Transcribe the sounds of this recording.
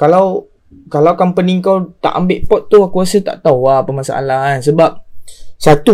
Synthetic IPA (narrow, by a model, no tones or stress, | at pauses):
kalaw | kalawkampəniŋkawt̪a̰ʔambɪʔpɔt̪̚ːuakuasət̪a̰ʔt̪awapəmasa̰ʔa̰laansəbap̚sat̪u